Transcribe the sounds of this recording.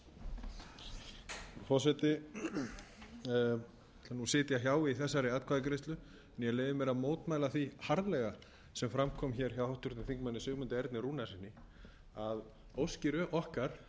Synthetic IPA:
fɔsɛt̪ɪ | anusɪːt̪ɪaçjaːwɪiθɛsːaɾɪaːt̪̚kʰvaðɪkɾest̪lʏ | ɛnjɛleːjvɪmɛɾamoːwt̪maːjlaθihaɾlɛɣa | sɛmfɾamkʰɔːmçɛɾ̥çawhawht̪ʏɾt̪nɪθiŋkmanːɪsʏːɣmʏnt̪ɪɛɾt̪nɪruːnasɪnːɪ | að | owscɪɾʏʔɔhkaɾ̥

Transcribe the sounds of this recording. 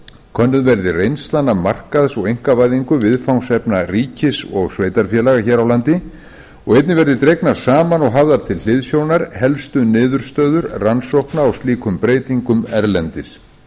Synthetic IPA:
kʰœnːʏðvɛɾðɪrejnst̪lanːamar̥kaðsɔɣejŋ̥kavajðiŋkʏvɪðfawnsɛpnariːcɪsɔɣsveːjt̪aɾfjɛlaɣaçɛːɾawlant̪ɪ | ɔɣejt̪nɪvɛɾðɪt̪ɾejknaɾ̥saːmanɔɣɦavðaɾ̥t̪ʰɪllɪðsjownaɾhɛlfst̪ʏnɪːðʏɾ̥st̪œːðʏɾransowhknaːwst̪liːkʰʏmpɾeːjt̪iŋkʏmɛɾlɛnt̪ɪs

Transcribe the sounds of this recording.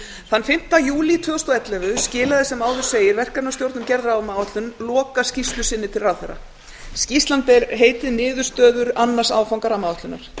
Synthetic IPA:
θanːfɪm̥t̪ajuːlit̪ʰvœːʏst̪ɔɛt̪lɛvʏscɪːlaðɪsɛmaːwðʏ̥seːjɪɾvɛr̥kat̪nawst̪jowɾt̪nʏmcɛɾðɾaːwmaːwat̪lʏnlɔːkascist̪lʏsɪnːɪt̪ʰɪlrawθɛɾːa̰ | scist̪lant̪̚pɛɾɦeːjt̪ɪðnɪːðʏɾ̥st̪œːðʏɾanːḁsaːwfawŋkaɾamaːwat̪lʏnaɾ̥

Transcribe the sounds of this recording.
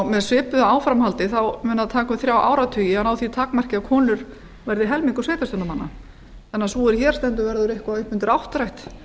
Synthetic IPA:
mɛðsvɪːpʏðaaːwfɾamhalt̪ɪθawmɛnːaðt̪ʰaːkʏmθɾjaːwʔa̰ːwɾat̪ʰœːjɪɛnawθit̪ʰaːkmar̥cɪakʰɔːnʏɾ | vɛɾðɪɦɛlmiŋkʏsveːjt̪ast̪ʏnamanːa̰ | θanːasɔɛɾçɛːɾ̥st̪ɛnt̪ʏvɛɾðʏɾɪhkvaʏhpmʏnt̪ɪɾawht̪ɾajht̪

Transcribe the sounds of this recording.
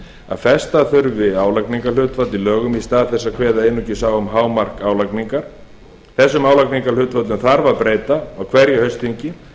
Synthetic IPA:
a̰ðfɛst̪aθʏɾvɪaːwlakniŋkalʏːt̪vat̪lilœːɣʏmist̪aːðθɛsːakʰvɛːðaejnːucɪsaːwʏmɦaːwmar̥kaːwlakniŋkaɾ̥ | θɛsːʏmaːwlakniŋkalʏt̪vat̪lʏmθaɾvaðpɾeːjt̪aːwkʰvɛɾjɛhœɥst̪iɲcɪ

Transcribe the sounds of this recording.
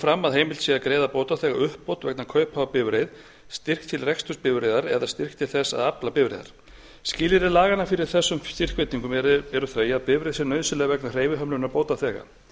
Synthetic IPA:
fɾamːaðɦejmɪlsiakɾeːjðapoːwt̪aθɛːɣaʏhpːowt̪vɛknakʰœɥphaːvapɪvɾejð | st̪ɪr̥kt̪ʰɪlrɛkst̪ʏspɪvɾeðaɾɛ̰ðast̪ɪr̥kt̪ʰɪlθɛsa̰ðaplapɪvɾḛða̰ɾ̥ | scɪːlɪɾɪlaːɣanːafɪɾɪɾ̥θɛsːʏmst̪ir̥kvɪt̪niŋkʏmɛɾɛɾʏθœːɥjaðpɪvɾejðsɛnœːɥsʏlɛɣvɛknar̥eːjvɪɦœmlʏnaɾpoːwt̪aθɛːɣa̰

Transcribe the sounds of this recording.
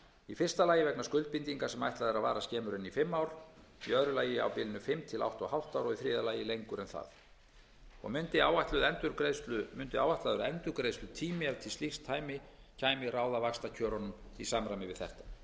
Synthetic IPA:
ifɪr̥st̪alaːjɪvɛknaskʏlt̪̚pint̪iŋkasɛma̰jht̪laðɪɾaðva̰ːɾascɛːmʏɾɪnːifɪmːawɾ̥ | iœðɾʏlaːjɪa̰wpɪlɪnʏfɪmt̪ʰɪla̰wht̪ɔɣhawht̪aːwɾɔɣiθɾɪːðalaːjɪlejŋkʏɾɛnθa̰ð | ɔ̰ɣmʏnt̪ɪawaht̪lʏðɛnt̪ʏɾkɾest̪lʏmʏnt̪ɪa̰ːwvajht̪laðʏɾɛnt̪ʏɾkɾejst̪lʏt̪ʰiːmɪaɾt̪ʰɪst̪ixst̪ʰːaːjmɪ | cʰaːjmɪɾaːwðavakst̪acʰœːɾɔnʏmisaːmɾajmɪvɪðθɛ̰ht̪ḁ

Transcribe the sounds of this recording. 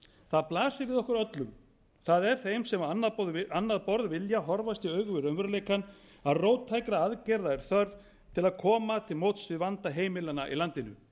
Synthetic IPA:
θaðplaːsɪvɪðɔhkʏɾœt̪lʏm | θaðɛɾ̥θejmsɛmanːaanːaðpɔɾðvɪljaɦɔɾvast̪iœːɥɣʏvɪɾœnvɛɾaleːjkan | aðroːwt̪ʰːajkɾaaðcɛɾðaɛɾ̥θœɾð | t̪ʰɪlaðkʰɔːmat̪ʰɪlmowt̪svɪvant̪aɦeːjmɪlanaʔḭlant̪ɪnʏ̰

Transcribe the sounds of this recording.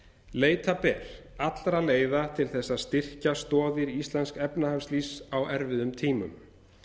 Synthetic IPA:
leːjt̪apɛːɾ̥ | at̪lɾaleːjðat̪ʰɪlθɛsːaðst̪ɪr̥cast̪ɔːðɪɾiist̪lɛnskɛpnahafslisawʔɛɾvɪðʏmt̪ʰiːmʏ̰m

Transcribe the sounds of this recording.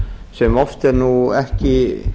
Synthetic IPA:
sɛmɔft̪ɛɾnuɛhcɪ

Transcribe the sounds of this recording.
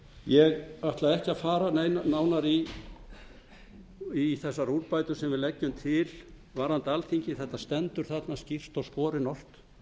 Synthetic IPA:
jɛɣaht̪laðɛhcɪafaːɾanejnanaːwnaɾi | iθɛsːaɾuɾpaːjt̪ʏsɛmvɪɾlɛcːʏmt̪ʰɪl | vaɾhant̪alθiɲcɪθɛht̪ːast̪ɛnt̪ʏɾ̥θat̪nascir̥t̪ɔwskɔːɾɪnɔr̥t̪

